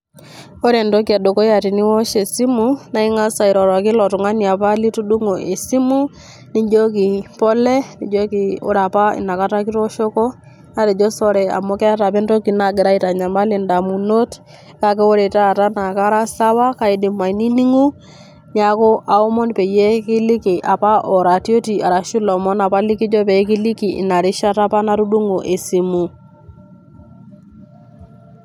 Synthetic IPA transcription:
o˦ɾe˨ndo˦ki˨a˨do˨ko˦ja˨ti˨ni˦wɔ˦ʃe˨si˦mu˦na˦i˦ŋa˦sa˨i˨ɾɔ˨ɾɔ˨kɪ˦lɔ˨tu˨ŋa˦ni˨a˨pa˦li˦tu˦du˦ŋo˨ʔe˨si˦mu˦ | ni˦d͡ʒo˦ki˨pɔ˦lɛ˦ni˦d͡ʒo˦ki˨o̰˦ɾa˨pa˦ɪ̰˨na˨ka˦ta˦ki˦ɾɔ˦ʃo˦kɔ˦ | na˦tɛ˨d͡ʒo˦sɔ˦ɾɛ˨a̰˨mɔ˦kɛ˦a˦ta˨pɛ˦ndo˦ki˨na˨ɡɪ˨ɾa˦i˦ta˨ɲa˨ma˦le˨nda˨mu˨no˦t | ka˦kɛ˦wo˦ɾe˨ta˦˨ta˦na˨ka˦ɾa˦sa˦wa˦ka˦i˦di˨mːa˨i˨ni˦ni˦ŋu˦ | ɲa˦ko˦ʔa˨o˦mɔ˦npe˨je˦kɪ˦lɪ˦ki˨ʔa˨pa˦ʔɔ˨ɾa˨tjo˦ti˨a˨ɾa˨ʃu˦lɔ˨mɔ˦na˨pa˦li˦ki˦d͡ʒɔ˦pɛ˨˦ki˦li˦ki˨ʔɪ̰˨na˨ɾɪ˦ʃa˦ta˦pa˦na˦ɾu˦du˦ŋo˨ʔe˨si˨mu˨

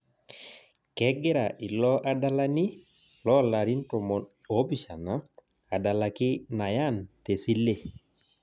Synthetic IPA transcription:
kɛ˦ɡɛ˦ɾa˨ʔi˨lɔ˦ʔa˦da˦la˦ni˦ | lɔ˦˨la˨ɾi˦n˦tɔ˨mɔ˨n | o˦bi˨ʃa˨na˨˦ | a˨da˨la˨kɪ˦na˨ja˦˨nte˨si˦le˦˨

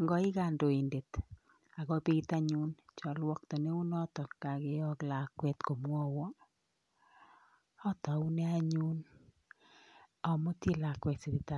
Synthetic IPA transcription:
ŋɡɔ˦ɪ˦ka˨ndo˨i˨nde˨t̪ | a˨kɔ˦pi˦ɡit̪a˦ɲu˦nt͡ʃɔ˨lwɔ˦k̚t̪ɔ˨ne˦u˦nɔ˦t̪ɔ˨ka˨ɡe˦ɔ˦kla˨kwɛ˦t̪ko˨mwɔ˦wɔ˦ | ɔ˦t̪ɔ˨u˦ne˦a˦ɲu˦n | ɔ˨mo˦tje˦la˨kwɛ˨tsi˨ɾi˨ta˨

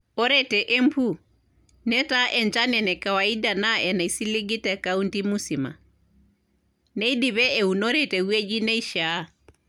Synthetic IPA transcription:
o˦ɾɛtɛ˨ʔe˦mpʰu˦˨ | nɛ˦ta˦ʔɛ˨ɲt͡ʃa˦nɛ˨nɛ˨ka˨wa˨i˦da˨na˦ɛ˨na˨i˨si˦li˦ɡi˦tɛ˨ka˦u˦nti˦mu˦si˨ma̰˨ | nɛ˦i˦diβɛ˦e˨u˨no˦ɾɛ˨tɛ˨we˦d͡ʒi˦nɛ˦i˦ʃa˦

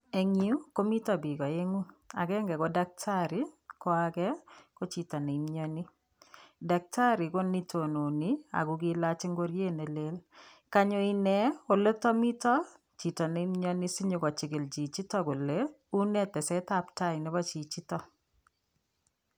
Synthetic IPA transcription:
e˨ŋi˨u˦ko˦mi˦tɔ˨bi˨ɡɔ˨e˦ŋu˦a̰˨ɡɛ˦ŋɡɛ˨ko˦da˦k̚tʰa˦ɾi˦kɔ˦akɛ˦ko˦t͡ʃi˨tɔ˨ne˨i˨˦mɲɔ˦ni˦ | da˨k̚tʰa˦ɾi˨ko˦ni˦tʰo˨no˨ni˦a̰˨ɡu˨ɡi˦la˦t͡ʃe˦ŋɡo˦ɾje˦ne˨le˦l | ka˦ɲo˨i˨nɛ˨o˨lo˦tɔ˦mi˦tɔ˦ | t͡ʃi˨tɔ˨ne˨i˦mɲɔ˦ni˦si˦ɲo˨kɔ˨t͡ʃi˨ɡɪ˨ld͡ʒi˨t͡ʃi˦tɔ˦ko˨le˦ | u˦nɛ˦tɛ˨sɛ˦ta˦pta˦i˨nɪ˦bɔ˦t͡ʃi˨t͡ʃi˦tɔ˦

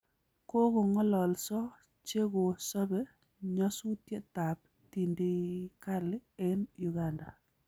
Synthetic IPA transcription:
ko˦ko˨ŋɔ˦lɔ˨lsɔ˦ | t͡ʃe˦ɡo˨sɔ˦bɛ˦ | ɲɔ˦su˦tje˦ta˨p̚ | ti˨ndi˦ka˦lɪ˦ɛ˦nju˨ɡanda̰˨

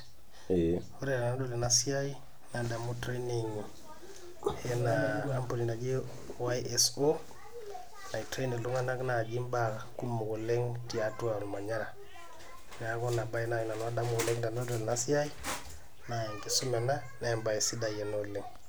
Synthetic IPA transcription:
o˦ɾɛ˦da˨no˦do˦lɛ˨na˨si˦a˦i | nada˨mu˦tɾeniŋi˨ | ɛ˦naamponi˨nda˨ɡi˦ | wajɛso | na˨itɾe˦ne˨lu˦ŋa˦na˦kna˨d͡ʒi˦mba | ku˦mu˨ko˨lɛ˦ŋtia˦twa˨lma˨ɲa˦ɾa˨ | ɡa˨˦kɔ˦na˨ba˦jna˨i˨na˨nwa˦da˦mu˦ɡu˨lɛ˦ŋda˨no˦do˨lɛ˨na˦si˦a˦i˦ | naɛ˨ŋke˨su˦mɛ˨na˦ | na˦ɛmba˨i˨si˦da˨jɛ˨no˨lɛ˨ŋ

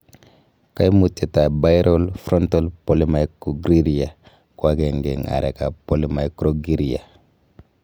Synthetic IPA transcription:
ka˦jmu˨tːe˨ta˨ba˦jɾɔ˦lfɾɔ˦ntɔ˦lpo˨li˦ma˦jko˨ɡɾi˦ɾi˨ja˨ | kwa˦ɡe˨ŋɡe˨ŋa̰˨ɾɛ˨ka˨po˨li˦ma˦jkɾoɡi˦ɾi˨a̰˨

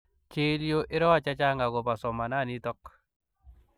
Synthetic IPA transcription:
t͡ʃe˦ljo˦ʔɪ˦ɾɔ˦a˨t͡ʃa˦t͡ʃa˦ŋa˨ɣɔ˨ba˨sɔ˨ma˨na˦˨ni˦tɔ˦k̚

